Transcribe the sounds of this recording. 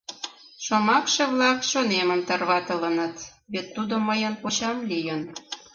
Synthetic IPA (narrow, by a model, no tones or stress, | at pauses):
ʃomɑkʃeβlɑkʃoneməmt̪ərβɑt̪ələnət̪ | βet̪ːud̪oməjənkot͡ɕɑmlijən